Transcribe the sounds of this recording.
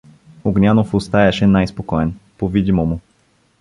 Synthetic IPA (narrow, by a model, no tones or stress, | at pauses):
uɡnʲanofust̪ajaʃɛnajspokɔɛnpovid̪ʲimomu